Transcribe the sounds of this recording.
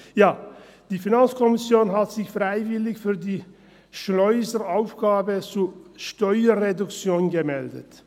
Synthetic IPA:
jaː | d̥iːfinant͡skʰɔmɪsjoːnɦatz̥ɪçfʁaɪvɪlɪçfyːɐdiː | ʃlɔʏzəʁaʊfɡ̥aːbət͡suːɐʃtɔʏɐʁedʊkt͡sjoːnɡəmɛldə̰t

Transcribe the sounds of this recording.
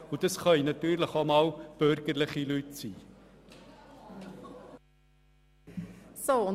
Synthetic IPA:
udəsχɑjnɑtyːrləχɔmɑlb̥ørɡərləχilytsiː | soɔ

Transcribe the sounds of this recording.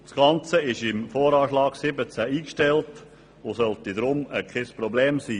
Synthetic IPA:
sɡ̥ɑnt͡səɪʃɪmfɔːɾɑːʃlɑːɡ̥sɪbət͡sæiːkʃtɛlt | ʊsœltidɾʊməkχɪspɾɔblɛːmsiː

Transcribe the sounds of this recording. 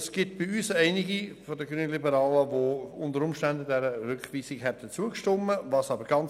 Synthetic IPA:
sɡ̥ɪt̚b̥ɪyːsæɪnɪɡifɔdəɡɾyːnəlibəɾɑːləʋoʊndəɾʊmʃtændədɛɾəɾʏkχliːsɪkɦɛt̚d̥ət͡suəkʃtomːəvɑsɑbəɾɡ̥ɑn

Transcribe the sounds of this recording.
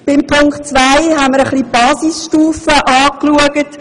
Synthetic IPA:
b̥ɪmpʰʊŋktt͡sʋaɪɦaməɾəχlib̥ɑːsisʃtuːfəʔɑːkluəɡət

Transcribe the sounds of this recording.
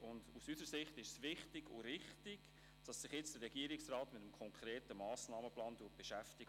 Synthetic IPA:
ʊndusysəɾsɪχtɪʃsʋɪχtɪɡ̥ʊ̰ɾɪχtɪɡ̥ | d̥ɑsːɪχjɪt͡sd̥əɾːɛɡ̥iːəɾɪksrɑːtmɪtəmkʰɔŋkʰɾeːtəmɑːsnɑːməplɑːnduːt̚b̥eʃæftɪɡ

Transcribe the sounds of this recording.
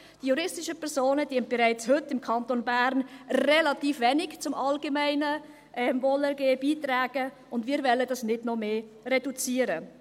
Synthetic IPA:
d̥ijuɾɪstɪʃəpʰɛɾsoːnəd̥iənt̚b̥ɛɾaɪt͡shɵtːɪmkʰɑntonbæɾnrɛlɑtiːfʋɛnɪkt͡sʊmʔɑlɡemaɪnə | ʔɛmvɔlɛɾɡeːb̥iːtɾaːɡ̥ə | ʊndmiːɾvɛlːədɑsnɪdnɔmeː | rɛdut͡siːəɾə

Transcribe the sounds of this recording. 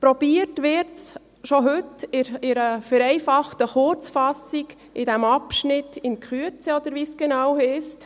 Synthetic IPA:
pɾɔb̥iːətʋɪɾts | ʃoɦʏtɪɾɪɾəfɛɾɛɪfɑχtəχʊɾt͡sfɑsiɡ̥ | ʔɪdɛmɑpʃnɪtːɪnkχyət͡səɔd̪əɾʋiːsɡ̥ɛnɑwhɛst

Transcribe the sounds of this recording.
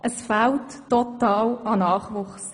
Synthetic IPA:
ʔəsfaltːɔtɑːlɑnɑːχʋʊχs

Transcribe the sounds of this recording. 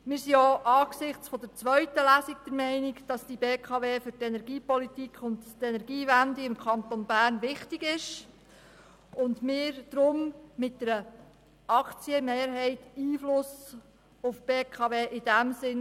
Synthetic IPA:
mɪːɾsiɔʔɑːksɪχt͡sfɔd̪əɾt͡sʋœɥtəlæsikd̥̪əɾmɛɪnikd̥ɑsd̥ibeːkʰɑʋeːfʏɾtɛnɛɾɡiːpɔlitikχʊnttɛnɛɾɡiːʋændiɪmkχɑnt̪ɔnbæːɾnʋɪχtiɡɪʃ | ʊndmɪːɾd̥ɾʊmːɪt̚dɛɾə | ɑkt͡siəmeːɾɦɛɪtiːflʊs | ʊfb̥eːkʰɑʋeːʔɪd̥æmsɪn

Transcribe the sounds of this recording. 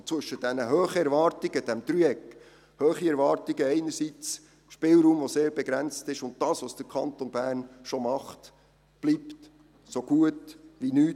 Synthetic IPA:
t͡sʋʏʃəd̥ɛnəɦøːχəɛɾvɑːɾtɪɡ̥əd̥æmd̥ɾyɛk | høːχiɛɾvɑːɾtɪɡəɛɪnəɾsit͡s | ʃpɪːlɾuːmvoseːɾbeɡɾænt͡stɪʃʊnt̚d̥ɑːsʋosd̥əɾkʰɑntonbæːɾnʃomɑχt | b̥lipt | soɡ̥uətʋinyː

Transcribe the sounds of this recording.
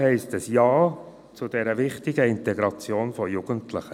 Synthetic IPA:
hɛɪstəsjɑː | t͡sʊd̥ɛɾəvɪχtɪɡəɪntɛɡɾɑt͡sjoːnfɔjuɡ̥əntləχə

